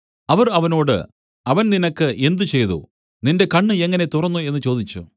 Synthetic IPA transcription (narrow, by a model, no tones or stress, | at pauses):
ɐʋɐrɐʋɐnoːɽɨ̰ | ɐʋɐnninɐkːɨʔe̞nd̪ut͡ɕe̞jðṵ | ninde̞kɐɳːɨe̞ŋːɐnet̪urɐnːue̞nːɨt͡ɕo̞ːd̪it͡ɕːṵ